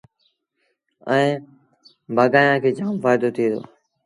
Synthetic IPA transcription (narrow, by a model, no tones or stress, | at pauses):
əẽː | bʱaːɡaːjãːkʰeːd͡ʒaːmfaːjɪd̪oːt̪ʰiːd̪o̰ː